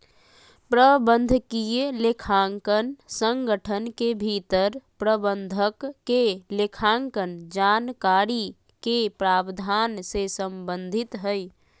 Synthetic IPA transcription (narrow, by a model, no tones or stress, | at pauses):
pɾəbənd̪ʱəkijelekʰaŋkənsəŋɡəʈʰənkebʱit̪əɾpɾəbənd̪ʱəkːelekʰaŋkənd͡ʒankaɾi | kepɾaːbd̪ʱansesəmbənd̪ʱit̪ɦəj